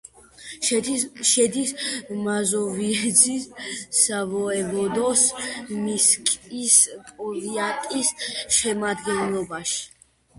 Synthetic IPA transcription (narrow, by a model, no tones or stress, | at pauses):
ʃɛd̪ismazɔviɛzisːavɔɛvɔd̪ɔsmiskʼispʼɔviat̪ʼisʃɛmad̪ɡɛnlˠɔbaʃi̥